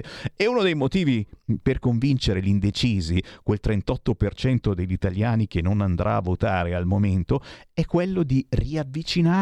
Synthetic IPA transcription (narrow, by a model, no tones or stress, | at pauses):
eunod̪ejmot̪iːviperkoɱvint͡ʃeɾelind̪et͡ʃiːzikwelt̪ɾent̪ɔt̪ːopert͡ʃɛnt̪od̪eʎːit̪aljaːnik̟enːonand̪ɾʔa̰ːvːot̪aːɾealmoment̪oɛkːwelːod̪iriavːit͡ʃina